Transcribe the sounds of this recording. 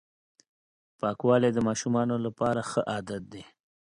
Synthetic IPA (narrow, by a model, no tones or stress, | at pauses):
pɑkwɑled̪əmɑʃumɑnolapɑɾaxəʔɑd̪at̪̚d̪e